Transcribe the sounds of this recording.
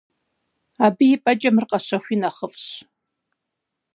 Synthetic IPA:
aːbɨjɪpʼɐt͡ʃʼɐmɨrqɐɕɐɕʷinɐχəfɕ

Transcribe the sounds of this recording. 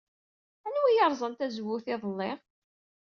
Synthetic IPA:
ænwijɑɾˤzˤənt̪æzwʊθɪðˤəlːɪʁ

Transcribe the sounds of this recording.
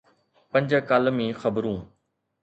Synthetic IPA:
pɐ̃ɲd͡ʑkaːlmĩːxɐbɾũː

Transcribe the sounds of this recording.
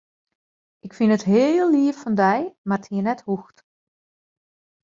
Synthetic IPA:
ʔɪkfinətɦeːlˠːiəffɔndɛjmartʰhiənɛthuxt

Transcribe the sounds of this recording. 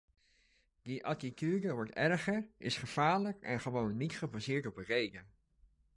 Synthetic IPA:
diʔɑtikyːdəʋɔɹtɛrχəɹɪsχəv̥aːɹləkɛ̰nχəʋownːitχəbazɪːɹtɔp̚ərejɡən

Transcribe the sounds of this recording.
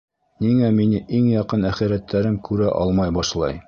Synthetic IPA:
niŋæminɘʔiŋjɒqɤnæχiɾæt̪ːæɾɘmkʰʉɾæʔɒ̰lˠmɑjbɑʃlˠɑ̰j

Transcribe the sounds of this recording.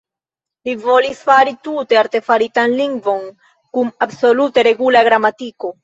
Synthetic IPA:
livo̞lisfaɾitute̞aɾte̞faɾitanliŋɡvo̞n | kumabso̞lute̞ɾe̞ɡulaɡɾamatiko̞

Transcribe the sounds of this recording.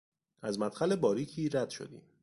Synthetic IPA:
ʔæzmæt̪xæle̞bɒːɾiːcʰiːɾæd̪̥ʃo̞̰d̪ḭːm

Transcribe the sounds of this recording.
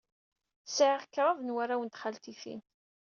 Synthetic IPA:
sʕəʁkːɾˤɑvənwaɾawənt̪χalt̪iθḭn

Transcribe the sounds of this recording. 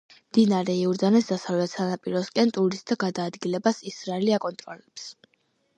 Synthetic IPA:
md̪̥inaɾɛiuɾd̪anɛsd̪̥asavlɛt̪sanapʼiɾɔskʼɛnt̪ʼuɾistd̪aɡad̪aːd̪ɡilɛbasisɾaɛliakʼɔnt̪ʼɾɔlɛps

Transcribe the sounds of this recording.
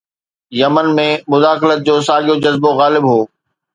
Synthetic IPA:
jɐmənmẽmʊzaːxɪlət̪̚d͡ʑoːsaːɠijod͡ʑɐzboɣaːlɪbɦoː

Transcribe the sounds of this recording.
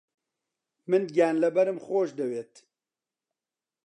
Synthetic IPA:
mɨnɡaːnlɐbɐɾɨmxoːʃd̪ɛweːt̪

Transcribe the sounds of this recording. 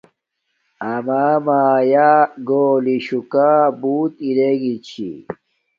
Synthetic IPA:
ɐmamaːjaɡoːliɕukaːbuːt̪iɾeɡit͡ɕʰḭ

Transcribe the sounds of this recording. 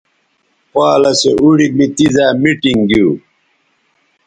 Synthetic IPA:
pwaːlɐseʔuɽimit̪izaːmiʈiŋɡiː

